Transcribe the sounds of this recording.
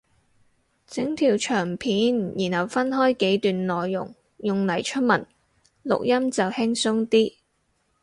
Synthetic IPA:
t͡sɪ˨˥ŋt̪ʰiː˨˩wt͡ʃʰœː˨˩ŋpʰiː˨˥njiː˨˩nhɐ˨˩wfɐ˥nɦɔː˥jke˨˥jt̪yː˨nlɔː˨jːʊ̰˨˩ŋ | jʊ˨ŋlɐ˨˩jt͡ʃʰɵ˥t̚mɐ˨˩n | lʊ̰˨k̚jɐ˥mt͡sɐ˨whɪ˥ŋsʊ˥ŋt̪iː˥

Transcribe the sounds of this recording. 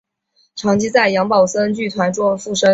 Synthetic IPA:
ʈ͡ʂʰɑ˧˥ŋt͡ɕʰi˥t͡sa˥˩ɪjɑ˧˥ŋpɑ˨˩ʊsə˥nt͡ɕy˥˩t̪ʰwa˧˥nʈ͡ʂwɔ˥fu˥˩ʂə˥

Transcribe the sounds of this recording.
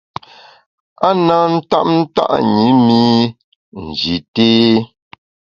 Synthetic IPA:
a˦na˦n̩˦ta̰˦p̚n̩˦ta̰˦ʔɲi˨˦mi˦ | n̩˨d͡ʒi˨teː˦

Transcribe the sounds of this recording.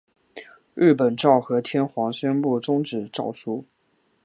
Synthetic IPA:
ɻ̩˥˩p̬ə˨˩nʈ͡ʂɑ˥˩ʊxɤ˧˥t̪ʰjɛ˥nxwɑ˧˥ŋɕɥɛ˥npu˥˩ʈ͡ʂʊ˥ŋʈ͡ʂɻ̩˨˩ʈ͡ʂɑ˥˩ʊʂu˥

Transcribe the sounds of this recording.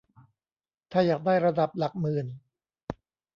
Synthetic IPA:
t̪ʰaː˥˩jaː˨˩k̚daː˥˩jɾa˧da˨˩p̚la˨˩k̚mɯː˨˩n

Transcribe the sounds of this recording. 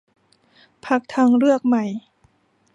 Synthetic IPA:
pʰa˧˥k̚t̪ʰaː˧ŋɾɯ˥˩ək̚ma˧˩j

